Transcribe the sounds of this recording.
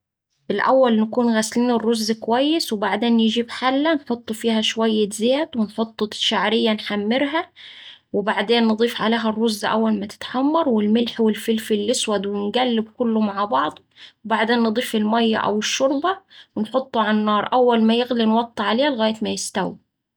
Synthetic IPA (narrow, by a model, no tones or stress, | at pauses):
ʔɪlʔæ̰wːælnɪkuːnɣæsliːnɪrːozːkwæjːɪswɪbaʕd̪eːnjɪd͡ʒiːbħalːænħot̪ˤːfiːɦæʃwæjːɪzæːt̪wɪnħot̪ˤːʃaʕɾɪjːænħamːɪɾɦæ | wɪbaʕd̪eːnːɨd̪ˤiːfʕaleːɦærˤːʊzːʔæ̰wːælmæt̪ɪ̥t̪ħamːɑɾˤwɪlmɪlħwɪlfɪlfɪlːɪswæd̪wɪnɡælːɪbkʊlːʊmaʕbɑʕd̪ˤ | wɪbaʕd̪eːnːɨd̪ˤiːfɪlmæjːæ̰ʔæ̰wɪʃːʊɾˤbɑwɪnħot̪ˤːʕaʕnːɑːɾˤʔæwːælmæjɪɣlinwɑt̪ˤːɑʕaleːhlɣæːjɪt̪mæjɪst̪æwi